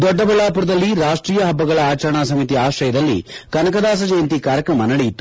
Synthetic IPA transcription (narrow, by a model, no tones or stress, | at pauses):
d̪ɔɖːɐbɐɭaːpuɾɐd̪ɐlːiɾaːʂʈɾiːjɐɦɐbːɐɡɐɭɐaːt͡ʃɐɾɐɳaːsɐmit̪iaːʃɾɐjɐd̪ɐlːḭkɐnɐkɐd̪aːs̬ɐd͡ʒɐjɐnt̪ikaːɾjɐkɾɐmɐnɐɽɛjit̪ːu̥